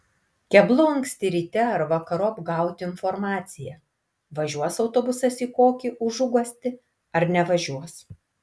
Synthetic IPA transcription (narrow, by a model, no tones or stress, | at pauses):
kʲɛblˠʊɐŋksʲt̪ʲɪɾʲiːt̪ʲɛɐɾʋɐkɐɾoːɐbɡɑˑʊt̪ʲɪɪnfɔɾmɑːt̪sʲɪjɛ | ʋɐʒʲuɔsɒʊt̪oːbʊsɐsiːkoːkʲiʔʊʒʊɡɔsʲt̪ʲɪ | ɐɾnʲɛʋɐʒʲuɔs